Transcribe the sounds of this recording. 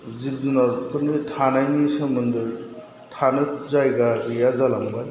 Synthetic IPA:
zib̚zunaɾpʰɯnitʰanajnisɔmɯnd̪ɯɾ | tʰanɯzajɡaɡɯjazalamba

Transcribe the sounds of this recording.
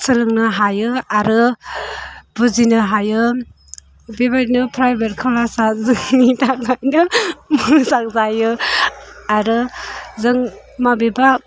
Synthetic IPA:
sɯlɯŋnɯɦajɯaɾɯ | bɯzinɯɦajɯ | bebanɯpʰɾajbetkʰalasazɯŋnitaŋajnɯmɯzaŋ̚zajɯ | aɾɯzɯŋ | mabeba

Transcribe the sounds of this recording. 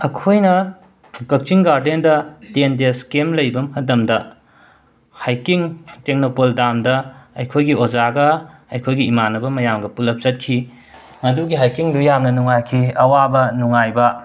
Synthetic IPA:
ɐkʰojnɐ | kɐk̚t͡ʃiŋɡaɾdendɐtendeskemlɐjbɐmhɐdɐmdɐ | hajkiŋteŋnopoldamdɐɐjkʰojɡiozaɡɐɐjkʰojɡiːmanɐbɐmɐjamɡɐpulɐp̚t͡ʃɐt̚kʰi | mɐduɡiɦajkiŋdujamnɐnuŋajkʰiɐwabɐnuŋajbɐ

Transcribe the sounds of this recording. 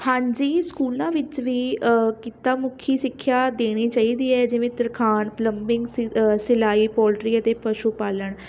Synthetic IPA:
hãːɲd͡ʒiːskuːlãːʋɪt͡ʃʋiːkɪt̪aːmʊkʰiːsɪkʰːjaːd̪eːɽ̃iːt͡ʃaːiːd̪iːɛːd͡ʒɪʋẽːt̪ɪɾkʰaːnpləmbɪ̃ŋɡsɪlaːiːpɔːlʈɾiːət̪eːpəʃuːpaːləɳ

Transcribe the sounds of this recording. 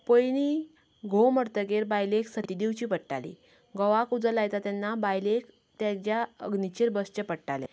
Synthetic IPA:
pəjni | ɡʱoməɾt̪əɡeɾbajleksət̪id̪iwt͡ɕiːpəʈʈa̰lḭ | ɡəʋakud͡zəlajt̪at̪janːabajlek | t̪jad͡ʑjaəɡnit͡ɕeɾbəst͡ɕəpəɽʈalḛ

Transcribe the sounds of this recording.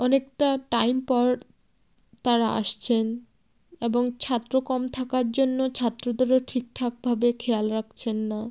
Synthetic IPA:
ɔnekʈaʈajmpɔɾ | t̪aɾaa̰ʃt͡ɕʰen | eboŋt͡ɕʰat̪ːɾokɔmt̪ʰakaɾd͡ʑonːot͡ɕʰat̪ːɾod̪oɾoʈʰik̚ʈʰak̚bʱabekʰealɾak̚ʰt͡ɕʰenːa

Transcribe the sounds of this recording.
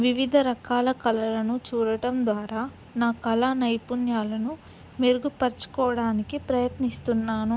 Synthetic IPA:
ʋiʋid̪ʱɐɾɐkaːlɐkɐlɐlɐnut͡ʃuːɾɐʈɐmd̪ʋaːɾaː | naːkɐlanɐjpunjaːlɐnu | meɾuɡupɐɾt͡ʃu̥kɔːʋɐɽaːnikipɾɐjɐt̪nist̪unːaːnu

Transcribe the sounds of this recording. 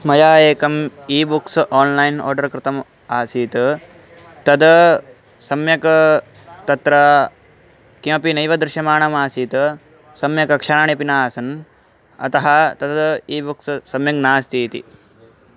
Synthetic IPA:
mɐjaːeːkɐmiːbuksʔaːnlɐjno̰ːɾɖɐɾkɾɪt̪ɐm | aːsiːt̪ | t̪ɐd̪ɐ | sɐmjɐkɐ | t̪ɐt̪ɾɐ | kimɐpinɐjʋɐd̪ɾɪʃɐmaːɳɐmaːsiːt̪ | sɐmjɐkɐkʂɐːnaːɳipinaːsɐn | ɐ̰t̪ɐɦɐt̪ɐd̪d̪iːbukssɐmjɐŋnaːst̪ʰiːt̪ḭ

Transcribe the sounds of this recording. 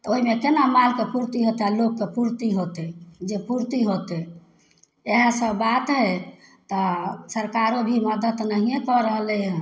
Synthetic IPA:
t̪ɔoɦimekenamalkepuɾt̪iɦot̪ealokːepuɾt̪iɦot̪ed͡ʒepuɾt̪iɦot̪e | eɦə̃səbat̪ɦet̪ɔsəɾkaɾobʱiməd̪ət̪nəɦijẽkɔɾəɦlẽ

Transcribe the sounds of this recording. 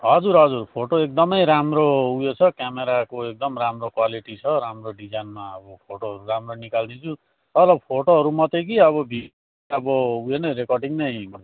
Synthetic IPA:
ɦʌd͡zuɾɦʌd͡zurpʰoʈoek̚d̪ʌmʌjɾamroujot͡sʰʌkjameɾakoek̚d̪ʌmramrokwaliʈit͡sʰʌɾamroɖid͡zanmaʌbʌpʰoʈoɦʌɾuɾamronikald̪int͡sʰu | t̪ʌlʌbpʰoʈoɦʌɾumʌt̪ek̬iʌβʌbʱi | ʌbʌujenʌjɾekʌrɖiŋnʌjmʌ

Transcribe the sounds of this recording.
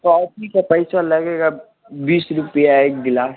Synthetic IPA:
kɔʈʰikapəɪsalɐɡeɡa | biːsɾʊpijaeːk̚ɡlaːs

